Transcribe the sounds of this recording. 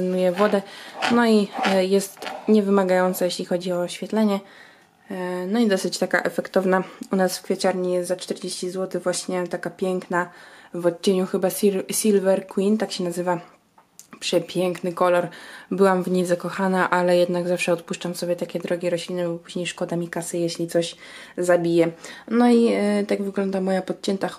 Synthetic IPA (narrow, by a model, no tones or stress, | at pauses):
nujɛvɔd̪ɛnɔijɛst̪ɲɛvɘmaɡajɔnt̪sajeɕlʲixɔd͡ʑiɔːɕfʲjɛt̪lɛɲɛ | nɔid̪ɔsɘt͡ɕt̪aka̰ʔɛfɛkt̪ɔvnaunasfkfʲat͡ʃaɾɲijɛst̪zat͡ʂt̪ɛɾd͡ʑeɕt͡ɕizwɔt̪ɘvwaɕɲɛt̪akapʲjɛŋknavɔtt͡ɕːeɲuxɘbassʲilvɛɾkwint̪akɕɛnazɘva | pʂɛpʲjɛŋknɘkɔlɔɾbɘwamvɲijzakɔxanaʔalɛjɛd̪naɡzafʂɛɔt̪puʂt͡ʂamsɔbʲjɛt̪akʲɛd̪ɾɔɡʲiɾɔɕlʲinɛbɔpuʑɲejʂkɔd̪amʲikasɘjeɕlʲit̪sɔɕ | zabʲijɛnɔit̪aɡvɘɡlɔnd̪amɔjapɔt̪̚t͡ɕɛnt̪a